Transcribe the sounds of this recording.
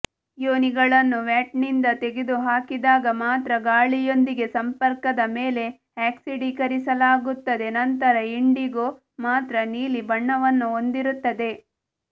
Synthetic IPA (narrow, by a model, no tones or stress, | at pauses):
joːniɡɐɭɐnːuʋjaːʈ̚nind̪ɐt̪e̞ɡed̪uɦaːkid̪aːɡɐmaːt̪ɾɐɡaːɭijo̞nd̪iɡe̞sɐmpɐɾkɐd̪ɐmeːle̞ | aːksiɖikɐɾisɐlaːɡut̪ːɐd̪e̞nɐnt̪ɐɾɐiɳɖiɡo | maːt̪ɾɐniːlibɐɳːɐʋɐnːuond̪iɾut̪ːɐd̪e̞